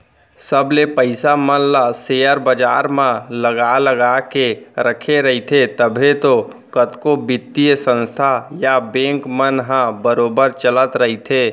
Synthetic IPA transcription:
səblepəɪsamənlasejəɾbəd͡ʒa̰ɾmãləɡaləɡakeɾəkʰeɾəɦit̪ʰet̪əbʱet̪o | kət̪kobɪt̪ːisə̃nst̪ʰajabẽŋkmənɦãbəɾoːbəɾt͡ʃələt̪ɾəɦit̪ʰe

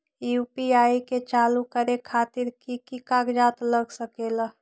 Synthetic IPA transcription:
jupiaiket͡ʃalukəɾekʰat̪iɾkikikaɡd͡ʒat̪ləɡsəkela

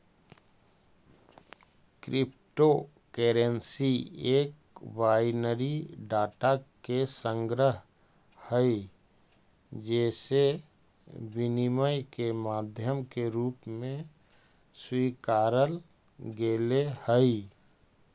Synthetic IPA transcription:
kɾʔɪp̚ | ʈo | keːɾensieːk | baːjnəɾiɖaːʈakesə̃ŋɡɾəɦ | həi | d͡ʒɛːse | bɪniməjkemaːd̪ʱjəmkeɾuːpmẽ | swiːkaːɾəl | ɡeːlehəi

